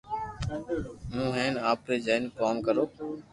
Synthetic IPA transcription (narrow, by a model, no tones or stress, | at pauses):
mũːɦeːnaːpɾeːd͡ʒaːɪnkaːmkəɾoː